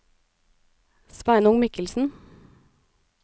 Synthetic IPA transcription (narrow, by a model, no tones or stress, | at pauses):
spæɪnʊŋmɪkəlsn̩